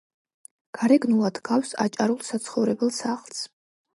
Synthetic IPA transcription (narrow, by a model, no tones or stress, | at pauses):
ɡ̥aɾɛɡnulˠad̪ɡawsa̰t͡ʃʼaɾulˠsat̪sʰχɔvɾɛbɛlˠsaχlˠs